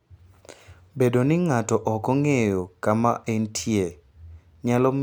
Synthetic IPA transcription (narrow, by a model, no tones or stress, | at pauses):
bedonɪŋatɔʔɔkɔŋejokamaʔentʰje | ɲalɔm